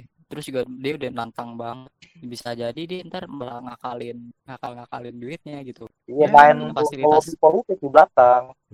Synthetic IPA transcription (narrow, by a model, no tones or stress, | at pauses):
t̪əɾʊsd͡ʒuɡadiaudahnant̪aŋbaŋət̪̚bisad͡ʒadidiɛənt̪arblaŋakalɪnŋakalŋakalɪnduɪt̪̚ɲaɡit̪u | ijamaɛnaɔlobipolut̪ɪt̪ublat̪aŋ